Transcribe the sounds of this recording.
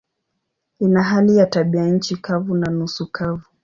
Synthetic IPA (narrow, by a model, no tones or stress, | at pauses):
inaɦalijataɓianɲ̩t͡ʃikavunanusukʰavu